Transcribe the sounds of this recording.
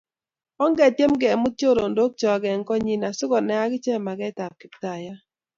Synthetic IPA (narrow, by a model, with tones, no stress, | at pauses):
ɔ˦ŋɡɛ˦˨tje˦mɡɛ˨mʊ˦t͡ʃo˦ɾo˨ndo˦k̚t͡ʃɔ˨ɡɛ˨ŋkɔ˦ɲi˨na˨sʊ˦ɡɔ˨nɛ˨a˦ɡɪ˦t͡ʃɛ˦˨ma˨ɡɛ˦ta˨p̚kɪ˨˦pta˨ja˦